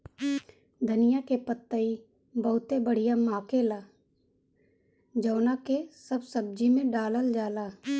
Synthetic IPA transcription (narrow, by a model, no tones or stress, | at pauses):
d̪ʱənɪjakepət̪ːəi | bəɦʊt̪ebəɽ̤ɪjamaːkelaː | d͡ʒɔːnakesəbsəb̚d͡ʒimẽɖaːləld͡ʒaːlaː